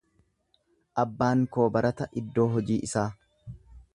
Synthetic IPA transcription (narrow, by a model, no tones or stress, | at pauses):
ʔɐbːaːŋko̞ːbɐɾʔɐt̪ɐʔɪd̪ːo̞ːɦɔd͡ʒiːʔɪsaː